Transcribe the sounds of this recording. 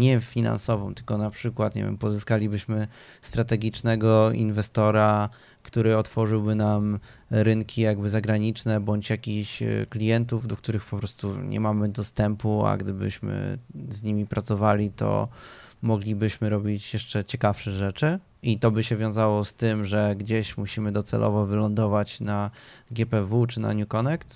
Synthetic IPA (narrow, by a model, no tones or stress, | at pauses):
ɲɛfʲina̰nsɔvɔ̰̃mt̪ɘ̥lkɔnapʂɘkwat̪ɲḛvʲjɛ̰mpɔzɘskalʲibɘɕmɘst̪ɾat̪ɛɡʲit͡ʂnɛɡɔinvɛst̪ɔɾa | kt̪uɾɘɔt̪fɔʐɘwbɘnamɾɘŋkʲijaɡ̚bɘzaɡɾaɲit͡ʂnɛbɔɲt͡ɕjakʲiɕklʲijɛnt̪uvd̪ɔk̚t̪uɾɘxpɔpɾɔst̪uɲʔɛ̰mamɘd̪ɔst̪ɛmpua̰ɡd̪ɘbɘ̰ɕmɘ̰zɲimʲipɾʔat̪sɔvalʲit̪ɔ̰mɔɡlʲibɘɕmɘɾɔbʲit͡ɕjɛʂt͡ʂɛt͡ɕɛkafʂɛʐɛt͡ʂɘ | it̪ɔbɘɕɛvʲjɔ̃w̃zawɔst̪ɘmʐɛɡd͡ʑeɕmuɕimɘd̪ɔt̪sɛ̰lʔɔ̰vɔvɘlɔnd̪ɔvat͡ɕnaɡʲɛpɛvut͡ʂɘna̰ɲukɔnɛkt̪